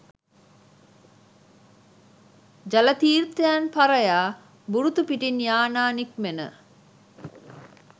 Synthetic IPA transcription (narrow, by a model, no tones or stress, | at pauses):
d͡ʒalɐt̪iːrt̪əjanpaɾəjaː | buɾut̪upiʈinjaːnaːnik̚menə̰